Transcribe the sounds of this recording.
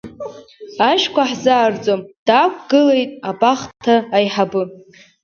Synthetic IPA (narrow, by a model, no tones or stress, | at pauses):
aʃkʷʰaħzaːrd͡zʼomd̥akʷʰʼɡɨle̞jtʼabaχtʰaːjħabɨ